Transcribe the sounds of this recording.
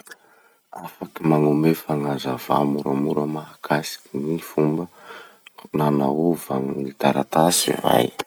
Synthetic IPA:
afakimaŋumefaŋazava̰muɾamuɾamaɦakʰasi̥kinifumbə | nanauvaŋnit̪aɾat̪asḭva̰j

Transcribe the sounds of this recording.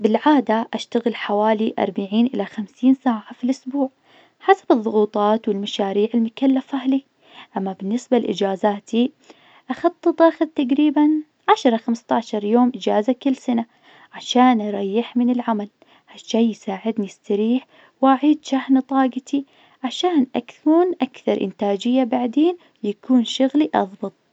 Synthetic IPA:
bɪlʕaːd̪aʔaʃt̪aɣɪlħawaːliʔɑ̰ɾˤbaʕiːnʔɪlaxamsiːnsaːʕafilʔʊsbuːʕ | ħasḁbɨðˤːʊɣuːt̪ˤɑːt̪wɪlmaʃaːɾiːʕɪlmʊkalːafʔahli | ʔamːabɪnːɪsbalʔɪ̰d͡ʒaːzaːt̪ʰi | ʔɑxɑt̪ˤːɨt̪ˤʔaxðt̪aɡɾiːban | ʕaʃɾˤɑxamst̪aʕʃɑɾˤjoːmʔɪd͡ʒaːzakɪlːsana | ʕaʃaːnʔɑɾˤɑjːɪħmɪnɪlʕamal | haʃːaːjjsaːʕɪd̪niɪst̪aɾiːħ | wʔaʕiːd̪ʃahnt̪ˤɑːɡɑt̪ʰi | ʕaʃaːnʔakθuːnʔakθɑɾˤʔɪ̰nt̪aːd͡ʒɪjːabaʕd̪eːn | jakuːnʃʊɣliʔɑ̰ðˤbɨt̪̚ˤ

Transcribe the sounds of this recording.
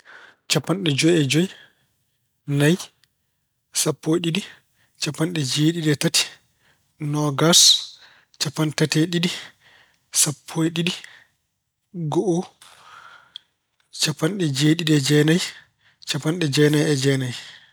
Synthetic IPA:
t͡ʃapːanɗɛd͡ʒɔjɛd͡ʒɔj | naj | sapːojɗiɗi | t͡ʃapːanɗɛd͡ʒeːɗiɗɛtati̥ | nɔɡas | t͡ʃapːantatɛɗiɗi | sapʰːojɗiɗi | ɡɔʔɔ | t͡ʃapːanɗɛd͡ʒeːɗiɗɛd͡ʒɛnaj | t͡ʃapːanɗɛd͡ʒɛnajɛd͡ʒɛnaj

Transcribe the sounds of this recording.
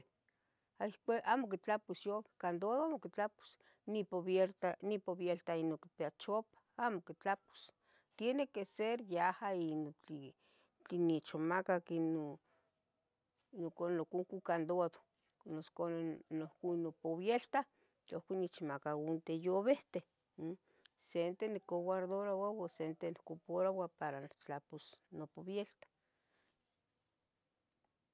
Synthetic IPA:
aihkʷaʔamokit͡ɬapusjoβe̥hkand̪oðoamokit͡ɬapu̥s | nipoβjeɾt̪anipoβjelt̪ainoki̥peat͡ʃopḁamokit͡ɬapu̥s | t̪jenekeseɾjahainot͡ɬi | t͡ɬinit͡ʃomakakino | nokonokuŋkukand̪oaðo | noskonnohkunopoβjelt̪a | ohkʷinit͡ʃmakaunt̪ejoβeht̪e | sent̪enekowaɾd̪oɾawawasent̪enikopoɾawapaɾat͡ɬaposnopoβjelt̪ḁ

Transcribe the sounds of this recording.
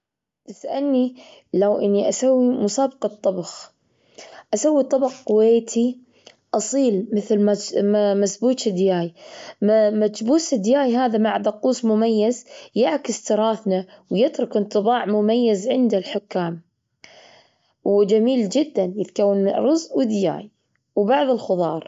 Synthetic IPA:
t̪ɪsʔalnilawʔɪnːiʔasawːimʊsaːbqɑt̪ˤːɑbɑx | ʔasawːit̪ˤːɑbɑxqʊweːt̪ʰi | ʔɑsˤiːlmɪθlmamamasbuːt̪ɪd̪jaːjmmat̪buːsɪd̪jaːjɦaːðamaʕd̪ɑquːsmʊmajːazjɪʕkɪst̪ɨɾˤɑːθnawjɪt̪ɾʊkɨnt̪ˤɨbɑːʕmʊmajːazʕɪnd̪alħʊkːaːm | wd͡ʒamiːld͡ʒɪd̪ːanjɪt̪kawːanmɪɾˤʊzwɪd̪ja̰ːj | wbɑʕðˤɨlxʊðˤɑːɾˤ

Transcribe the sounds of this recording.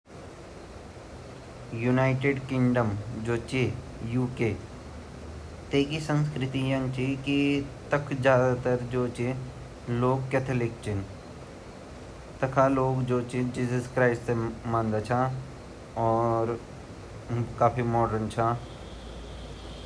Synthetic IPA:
junaːɪʈeɖkɪ̃ŋɖəmd͡ʒoːt͡ʃe | juːkeː | t̪eːkisə̃ns̬kɾɪt̪ijɐ̃ŋɡt͡ʃʰikit̪ɐkʰd͡ʒjaːd̪at̪ɐɾd͡ʒoːt͡ʃe | loːɡ̚kːɛːt̪ʰəlɪk̚t͡ʃʰɪn | t̪ɐkʰaloːɡd͡ʒoːt͡ʃid͡ʒiːzəskɾaːɪsʈsemãnd̪at͡ʃʰa | ɔːɾ | kaːpʰimɔːɖənt͡ʃʰa

